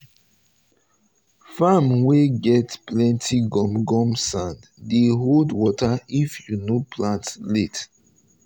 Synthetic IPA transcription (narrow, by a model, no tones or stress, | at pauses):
famweɡɛtplɛ̃ntʰiɡɔ̃mɡɔ̃msãnd | deɦodwɔtaifjunopʰlãntlet